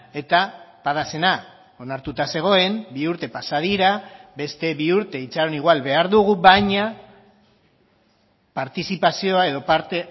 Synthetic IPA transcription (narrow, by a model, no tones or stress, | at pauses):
e̞t̪apaðase̞na | o̞naɾt̪ut̪ase̞ɣ̞o̞e̞mbiuɾt̪e̞pasað̞iɾabe̞st̪e̞βiuɾt̪e̞it͡saɾo̞niɣwalβe̞aɾðuɣ̞uβajɲa | paɾt̪isipasio̞ae̞ðo̞paɾt̪e